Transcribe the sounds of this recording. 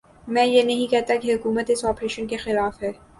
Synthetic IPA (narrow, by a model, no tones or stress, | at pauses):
mɛ̃ːjenɐɦĩkɛɦt̪akeɦʊkuːmət̪ɪsɔːpɾeːʃənkexɪlaːfɦɛː